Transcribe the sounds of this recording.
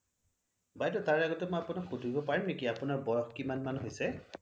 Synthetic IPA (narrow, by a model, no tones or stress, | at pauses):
bajtɔtaɹaɡɔtɛmɔjapʊnakxudʱuɹibɔpaɹimnekiapʊnaɹbɔɹɔxkimanmanuɦojsɛ